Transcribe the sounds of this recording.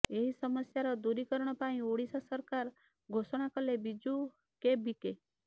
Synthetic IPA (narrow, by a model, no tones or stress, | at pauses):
eɦisəməsjaɾɔd̪uɾikəɾɳ̃ɔpaĩoɽisasəɾkaɾ | ɡʱosɔɽ̃akəlebid͡ʒu | kebike